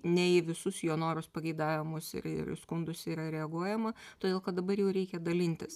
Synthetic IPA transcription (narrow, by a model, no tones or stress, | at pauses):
nʲɛɪʋʲɪsʊsjoːnoːɾʊspɐɡʲɛɪd̪ɑːʋʲɪmʊsɪ̰ɾɪ̰rskʊnd̪ʊsiːɾɐɾʲɛɐɡuɔjɛmɐt̪oːd̪ʲeːlˠkɐt̪̚d̪ɐbɐɾjɛʊɾʲɛɪkʲɛd̪ɐlʲɪnʲt̪ʲɪs